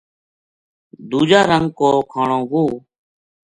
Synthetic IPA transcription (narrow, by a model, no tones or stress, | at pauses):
d̪uːd͡ʒaːɾəŋɡkoːkʰaːɳõːɦuː